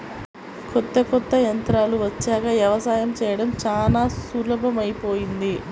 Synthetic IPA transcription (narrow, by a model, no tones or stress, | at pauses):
kɔt̪ːɐkɔt̪ːɐjɐnt̪ɾaːluʋɐt͡ʃːɛːkɐʋjɐʋɐsaːjɐmt͡ʃɛːjɐɽɐmt͡ʃaːlaːsulɐbɐmɐjpo̞ːjind̪i